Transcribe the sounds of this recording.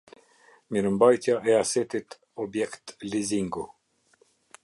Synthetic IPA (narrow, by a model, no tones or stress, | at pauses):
miɾəmbajt̪jaʔɛasɛt̪it̪ | ɔbjɛkt̪liziŋɡu